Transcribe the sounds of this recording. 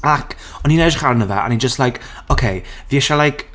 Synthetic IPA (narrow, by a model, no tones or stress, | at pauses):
akʰ | ɔninɛdχaɾnəva̰ʔa̰nid͡ʒəstlajk | okʰejviɛʃalˠajk